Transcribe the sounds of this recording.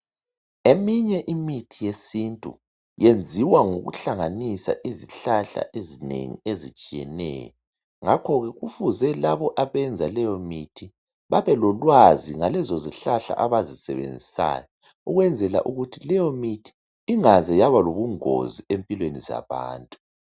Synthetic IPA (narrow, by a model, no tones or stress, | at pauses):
emiɲɛʔimitʰijesintʼṵ | jend͡zʱiwaŋoɣṵɬaŋanisa̰ʔiziɬaɬa̰ʔezinḛŋḭezit͡ʃʼijɛ̰nɛ̰ːjɔ | ŋakʰɔɣɛɣufuzɛlaβɔʔaβɛnd͡zʱalɛjɔmitʰi | βaβɛlɔlwaziŋalɛzɔziɬaɬa̰ʔaβazisɛ̰βḛnd͡zʱisa̰ːjɔ | uɣwɛnd͡zʱɛla̰ʔuɣutʰilɛjɔmitʰi̥ː | ŋazɛjaβaloβuŋo̰ziempʼilweniza̰βa̰ːntʼu